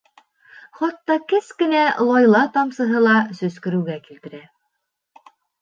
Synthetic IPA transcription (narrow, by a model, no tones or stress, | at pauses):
χɑt̪ːɑkɘskɘ̆nælˠɑjlˠɑt̪ɑmsɤ̆ɦɤlˠɑsɵ̆skɘ̆ɾɘ̆wɡækilt̪ɘ̆ɾæ